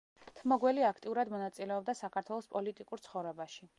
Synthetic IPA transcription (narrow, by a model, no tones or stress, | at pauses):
t̪ʰmɔɡwɛliakʰt̪ʼiuɾad̪mɔnat̪sʼilɛɔb̚d̪asakʰaɾt̪ʰwɛlˠɔspʼɔlit̪ʼikʼuɾt̪sʰχɔvɾɛbaʃi